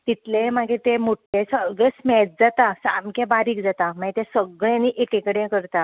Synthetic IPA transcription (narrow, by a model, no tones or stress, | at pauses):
t̪it̪lẽmaɡet̪emoʈːesəɡesmɛt͡s̚d͡zat̪asamkebaɾiːkd͡zat̪am̤aɡet̪ẽsəɡɭjẽniʔekẽkəɽẽkəɾt̪a